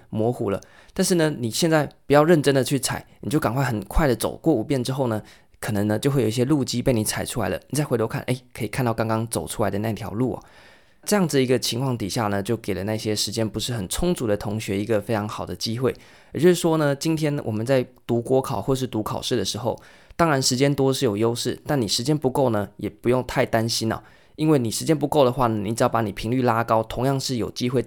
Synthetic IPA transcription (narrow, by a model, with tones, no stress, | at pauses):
mwɔ˧˥xu˨˩lə̰˦ | t̪a˥˧nʂɻ̩˥˩nə˩ni˨˩ɕjɛ˥˧nt͡sa˥˩ɪpu˨˩jɑ˥˧ʊɻə˥˩nʈ͡ʂə˥nd̪ə˨t͡ɕʰy˥˩t͡sʰa̰˨˩ɪni˨˩t͡ɕjo˥˩ʊka˨˩ŋkʰwa˥˩xə˨˩nkʰwa˥˩ɪd̪ə˩t͡so̰˨˩ʊkwɔ˥˧u˨˩pjɛ˥˩nʈ͡ʂɻ̩˥xo˥˩ʊnə˩ | kʰɤ˨˩nə˧˦ŋnə˧t͡ɕjo˥˧xwe˥˩jo˨˩˧i˧˩ɕjɛ˥lu˥˧t͡ɕi˥pe˥˩ɪni˧˥t͡sʰa˨˩ɪʈ͡ʂʰu˥la̰˧ɪlə̰˧ni˨˩t͡sa˥ɪxo˧˥kʰa˥˩nʔe˥˩ɪkʰɤ˧˥i˨˩kʰnt̪ɑ˥˩kɑ˥ŋkɑ˥ŋt͡so˨˩ʊʈ͡ʂʰu˥la˧˥ɪdə˧na˥˧i˥˩t̪ʰjɑ̰˧˥ʊlu˥˩ɐ̰˨˩ | ʈ͡ʂɤ˥˧jɑ˥˩ŋd͡zɨ˩d̪i˧˥ɡə˧t͡ɕʰi˧˥ŋkʰwɑ˥˩ŋt̪i˨˩ɕja˥˩nə˩t͡ɕjo˥˩ʊke˨˩ɪlə˦na˥˧ɕjɛ˥ʂɻ̩˧˥t͡ɕjɛ˥npu˧˥ʂɻ̩˥˩xə˨˩nt͡sʰʊ˥ŋt͡su˧˥d̪ə˧t̪ʰʊ˧˥ŋɕɥɛ˧˥i˧˥ɡə˧fe˥ɪʈ͡ʂʰɑ˧˥ŋxɑ˨˩ʊd̪ə˦t͡ɕi˥xwe˥˩ɪ | ə˨˩t͡ɕo˥˧ʂ̩˥˩ʂwɔ˥nə˨t͡ɕi˥nt̪ʰjɛ˥nwʔɔ̰˨˩mə˨˦nt͡sa˥˩ɪt̪u˧˥kwɔ˥kʰɑ˨˩ʊxwɔ˥˧ʂɻ̩˥˩t̪u˧˥kʰɑ˨˩ʊʂɻ̩˥˩d̪ə˩ʂɻ̩˧˥˦xo˥˧ʊ | t̪ɑ˥ŋɻa˧˥nʂɻ̩˧˥t͡ɕjɛ˥nt̪wɔ˥ʂɻ̩˥˩jo˨˩ʊjo˥ʊʂɻ̩˥˩t̪a˥˩nːi˨˩ʂɻ̩˧˥t͡ɕjɛ˥npu˧˥ko˥˩ʊnə˩jɛ˨˩pu˧˥jo˥˧ŋt̪ʰa˥˩ɪt̪a˥nɕi˥nə̰˨˩ | i˥nwe˥˩ɪni˨˩ʂɻ̩˧˥t͡ɕjɛ˥np̬u˧˥ko˥˩ʊd̪ə˩xwa˥˩nə˩ni˨˧˥ʈ͡ʂ̩˨˩jɑ˥˩pa˧˥ni˨˩pʰi˧˥ŋly˥˩la˥kɑ˥ʊt̪ʰʊ˧˥ŋjɑ˥˧ŋʂɻ̩˥˩jo˨˩ʊt͡ɕi˥xwe˥ɪ